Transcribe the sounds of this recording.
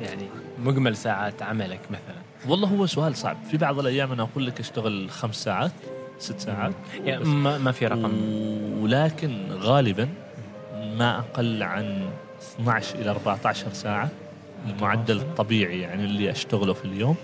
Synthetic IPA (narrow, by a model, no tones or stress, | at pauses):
jaʕnimʊɡmalsaːʕaːt̪ʕamalakmaθalanwɑlˤːɑːɦʊwːasʊʔaːlsˤɑ̰ʕbfibɑʕðˤɪlʔajːaːmʔanaʔɑquːlːakʔaʃt̪aɣɪlxamsːaːʕaːt̪sɪt̪ːsaːʕaːt̪jaamafiɾˤɑqm | laːkɪnɣaːlɪban | maʔaqɑlːʕan | ɨsnaʕʃʔɪlaʔɑɾˤbaʕt̪aʕʃɑɾˤsaːʕa | ʔɪlmʊʕad̪ːalt̪ˤːɑbiːʕijaʕnilːiʔaʃt̪aɣlufiljoːm